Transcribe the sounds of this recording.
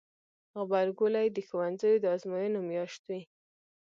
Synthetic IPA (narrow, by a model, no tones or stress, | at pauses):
ɣbaɾɡʊlajd̪əxowanzajod̪əɑzmɑjənomjɑʃt̪wi